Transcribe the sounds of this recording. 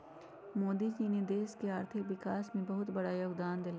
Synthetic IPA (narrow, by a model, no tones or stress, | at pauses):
moːd̪id͡ʒiːned̪eːskeaːɾt̪ʰɪkʋɪkaːsmẽbɐɦʊt̪bɐɽajoːɡd̪aːnd̪ɪlaː